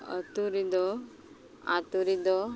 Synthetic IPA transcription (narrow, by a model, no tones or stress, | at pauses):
ə̰t̪uɾid̪ɔ | a̰t̪uɾid̪ɔ